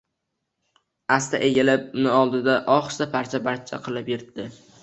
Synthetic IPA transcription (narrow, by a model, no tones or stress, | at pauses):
ast̪ʰa̰ʔeɡʲalɪp̚ʊnɪɒlˠd̪ɪd̪aʔɒχsapʰaɾt͡ʃʰabaɾt͡ʃʰa̰qʰɨlˠɪpjɪɾd̪ɪ